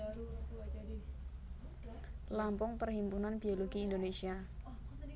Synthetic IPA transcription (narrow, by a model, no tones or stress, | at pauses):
lampɔŋpərhimpunanbioloɡiːndonesia